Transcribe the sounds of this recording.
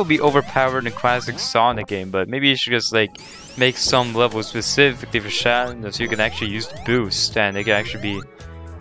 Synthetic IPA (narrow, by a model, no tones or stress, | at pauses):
əbiʔoʊvə˞pʰaʊə˞ɾɨ̃nkʰl̥æsɨksɔ̃nɨk̚ɡ̥ẽɪ̃mbʌt̚meɪbijɨʃɨd̚d͡ʒʌstlaɪk̚ | meɪksʌ̃mlɛvl̩ˠz̥spɨsɪfɨklifə˞ʃæɾɪ̃nɨsʊjɨkɨ̃næk̚t͡ʃʉl̩ˠijʉz̥təbʉstɨ̃nɨt̚kɨ̃ɾæk̚t͡ʃʉl̩ˠibi